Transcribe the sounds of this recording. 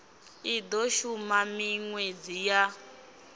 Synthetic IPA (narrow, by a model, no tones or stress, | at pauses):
idɔʃumamiŋwed͡zija